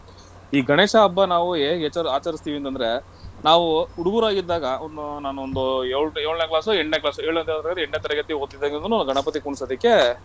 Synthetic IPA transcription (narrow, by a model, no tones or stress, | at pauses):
iːɡʱɐɳeːʂɐːbːɐnaːʋueːet͡ʃːɐɾaːt͡ʃɐɾist̪iʋient̪ɐnd̪ɐɾe̞ | naːʋuuɽuɡuɾaːɡid̪ːaːɡɐond̪unaːnuond̪ueɭeːɭnekɭaːsueɳɖneːklaːsueːɭɐnt̪eɭd̪ɾaɡɐd̪eɳɖneːt̪ɐɾɛɡɐt̪ːiot̪ːid̪ːeɡnunːuɡʱɐɳɐpɐt̪̬ikuɳisod̪ikːe